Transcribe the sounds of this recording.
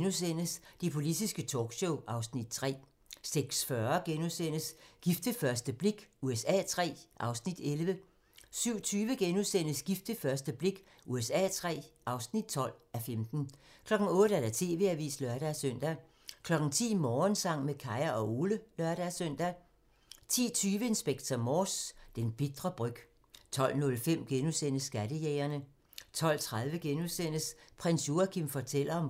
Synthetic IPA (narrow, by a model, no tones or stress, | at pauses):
nus̬en̰əsd̥epʰo̝lid̥isɡ̥ət͡sʰɒ̰ːɡ̥ɕoʊʔɑ̈ʊsnid̥t͡sʰʁɛ̰ː | seɡ̥sfɶɐɡ̥enusen̰əsɡ̥ifd̥əfɶɐsd̥əb̥le̝ɡ̥uesɛ̰ːt͡sʰʁɛ̰ːʔɑ̈ʊsnid̥elʋə | syʊ̰t͡sʰyːʋəɡ̥enuðˠsen̰əsɡ̥ifd̥əfɶɐsd̥əb̥le̝ɡ̥ | ʔuesɛ̰ːt͡sʰʁɛ̰ːʔɑ̈ʊsnid̥̚t͡sʰɒ̽l̰æfemd̥n̩kʰlɒ̽ɡ̥ŋ̩ɔ̽ːd̥̩æɐd̥æt͡sʰe̝̰ːʋe̝̰ːæʋḭːslœɐɾ̥æsøn̰d̥æ | kʰlɒ̽ɡ̥n̩t͡sʰḭːmɒːnsɑ̈ŋ̰mekʰɑ̈ɪɐʔɒ̽ʔo̝ːləlɶɐɾ̥æsøn̰d̥æ | t͡sʰḭːt͡sʰyːʋəe̝nsb̥eɡ̥̚t͡sʰɐmɒːsd̥enb̥i̝d̥ʁɐb̥ʁœɡ̥ | t͡sʰɒ̽l̰nɔ̽lfem̰ɡ̥enusen̰əsːɡ̥æd̥əjɛɪɐnə | t͡sʰɒ̽l̰t͡sʰʁað̞ˠʋəɡ̥enuðˠsen̰əspʰʁensjo̝ækʰimfɒt͡sʰel̰ɐɒ̽m